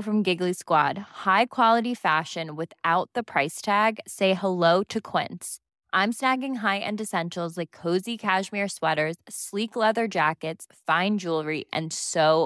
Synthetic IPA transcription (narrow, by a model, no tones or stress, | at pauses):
fɹʌ̃mɡɪɡliskwɑd̥̚haɪkʰw̥ɑlˠəɾifæʃɨ̃nwɪθaʊt̪̚ðəpʰɹ̥aɪstʰæɡseɪhəloʊɾɨkʰw̥ɪ̰̃ns | ʔãɪ̃msnæɡɪ̃ŋɦaɪʔɨ̰̃ndɨsɛ̃nʃl̩ˠzlaɪkʰːoʊzikʰæʃmɪɹswɛɾə˞z̥sliklɛðə˞d͡ʒækɨtsfãɪ̃nd͡ʒulˠɹiʔɨ̰̃nsoʊ